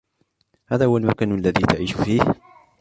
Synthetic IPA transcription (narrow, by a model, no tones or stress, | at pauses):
haːðaːhʊwalmakaːnalːaðiːt̪aʕiːʃfiːh